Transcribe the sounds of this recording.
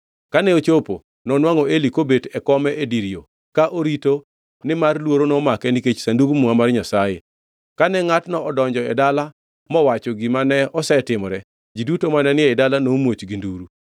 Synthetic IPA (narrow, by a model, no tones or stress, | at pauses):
kanɛot͡ʃopo̰ | nɔnwaŋɔelikobetɛkɔmɛʔediɾio | kaʔoɾito | nɪmarlwoɾonɔmakɛniket͡ʃsanduɡmʊŋamarɲasajḛ | kanɛŋatnɔʔːdɔɲd͡ʒɔɛdala | mɔwat͡ʃɔɡɪmanɛɔsɛtɪmɾɛ | d͡ʒidutomanɛnɪɛɪdalanomwot͡ʃɡinduɾu